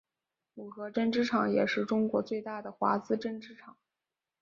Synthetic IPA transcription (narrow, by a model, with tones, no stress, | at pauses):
u˨˩xɤ˧˥ʈ͡ʂə˥˧nʈ͡ʂɻ̩˥ʈ͡ʂʰɑ˨˩˦ŋjɛ˨˩ʂɻ̩˥˩ʈ͡ʂʊ˥ŋkwɔ˧˥t͡swe˥˧ɪt̪a˥˩d̪ə˩xwa̰˧˥t͡sɹ̩˥ʈ͡ʂə˥˧nʈ͡ʂɻ̩˥˩ʈ͡ʂʰɑ˨˩˦ŋ